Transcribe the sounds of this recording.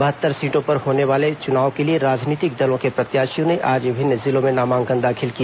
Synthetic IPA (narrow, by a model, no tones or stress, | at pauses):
bɐɦət̪ːəɾsiːʈõpɐɾhoːneʋaːlet͡ʃʊnaːʋkelieɾaːd͡ʒniːt̪ɪk̚d̪ɐlõkepɾɐt̪jaːʃijõneʔaːd͡ʒbʱɪnzɪlõmẽnaːmãːŋɡə̃nd̪aːkʰɪlkia